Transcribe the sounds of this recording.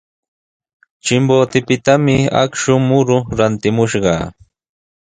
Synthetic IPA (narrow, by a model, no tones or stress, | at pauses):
t͡ʃɪmboːt̪ɪpɪt̪amɪa̰kʃʊmʊɾʊɾant̪ɪmʊʃɢɑ̰